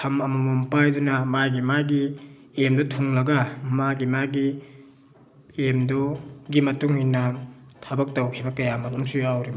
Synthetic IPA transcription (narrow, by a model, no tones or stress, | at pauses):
kʰɐmɐmɐmɔmpajdunɐmajɡimaɡi | emdɔtʰuŋlɐɡɐmaɡimaɡi | emdɔɡimɐtuŋhinɐtʰabɐk̚tɐwkʰibɐkɐjamɐlomsujawɾim